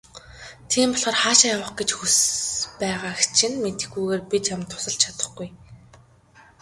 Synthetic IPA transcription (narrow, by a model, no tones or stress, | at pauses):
t̪ʰiːmpɔɮχɔːrχaːʃajawə̆χɡet͡ɕxuspæːʁaːxt͡ɕʰɪ̆nmet̪ɘ̆xɡujɣeːrpit͡ɕjamt̪ʰʊ̥sə̆ɬt͡ɕʰat̪ə̆χɡuj